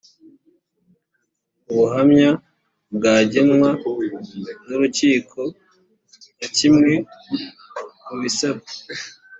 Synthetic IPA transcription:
uβuɦamɲa | bɡaːɟenwa | nuɾuciːkʰo̞ | jacimŋe̞ | muβisabe̥

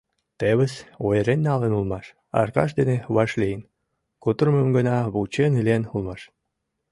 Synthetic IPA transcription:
t̪eβəsojeɾenːɑlenulmɑʃ | ɑ̰rkɑ̰ʃ̬d̪eneβɑʃlijən | kut̪ərməmɡənɑβut͡ɕenilenulmɑʃ

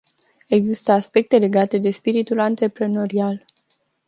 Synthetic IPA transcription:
e̞ɡzist̪əaspe̞k̚t̪e̞le̞ɡat̪e̞d̪e̞spiɾit̪ulant̪ɾe̞pɾe̞no̞ɾial

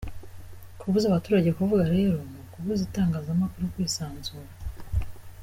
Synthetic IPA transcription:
kʰuβuzaβatuːɾaɟe̞kuvuɡaɾe̞ɾo̞nukuβuzitaːŋɡaːzamakuɾukwiːsaːnzuːɾa

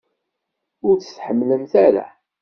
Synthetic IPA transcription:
ʊɾt͡sə̥θħəmːləmθæɾa̰

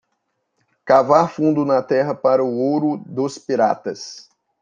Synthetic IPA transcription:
kavaɾfũnd̪ʊnɐt̪ɛɦɐpaɾɐʊowɾʊd̪ʊspiɾa̰t̪ɐs

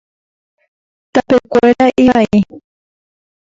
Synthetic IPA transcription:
t̪apekʷeɾaʔiai

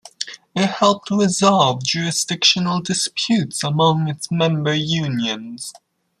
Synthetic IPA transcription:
ɪt̚hɛlˠp̚tʰəɹɪzɑlˠvd͡ʒʉɹɨsd̥ɪkʃənəl̩ˠdɨspʰjʉtsəmʌ̃ŋɨtsmɛ̃mbə˞jʉ̃njɨ̃nz̥

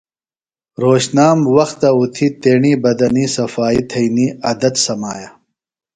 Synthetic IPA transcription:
ɾoːɕnaːmwɐxt̪aut̪ʰit̪eːɳiːbɐd̪ɐnisɐfaːit̪ʰɐiniɐd̪ɐd̪sɐmaːja

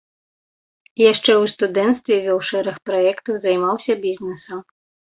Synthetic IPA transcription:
jaʂt͡ʂɛwst̪ud̪ɛnt̪st̪vʲɛvʲɔwʂɛɾɐxpɾajɛkt̪ɐwzɐjmawsʲɐbʲizʲnʲɛsɐm

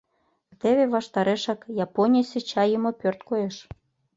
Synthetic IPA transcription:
t̪eβeβɑʃt̪ɑɾeʃɑkjɑponʲisʲĕt͡ɕɑjəmopørt̪kojeʃ

